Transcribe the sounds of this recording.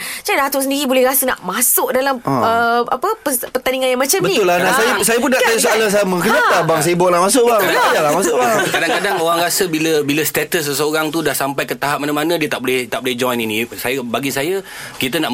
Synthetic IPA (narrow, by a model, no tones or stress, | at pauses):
t͡ʃadat̪osəndiɾibolɛhɾasəna̰ʔmasʊʔdalaməa̰pəpəpərt̪aniŋanjaŋmãt͡ʃambəĩʊlːanasajsajəpunːaʔt̪ajusoalas̬ajməŋkənət̪abaŋs̬ajəbɔʔlahmasʊʔ̚baaaaajalamasʊʔbakadaŋkadaŋoɾaŋɾasəbiləbiləst̪ɛt̪əs̬ːəsəoɾaŋt̪udahsampajkət̪aɦap̚manamanə̃diət̪aʔbolɪht̪aʔbolɪhd͡ʒɔjninĩsajəbaɡisajə | kit̪ənaʔ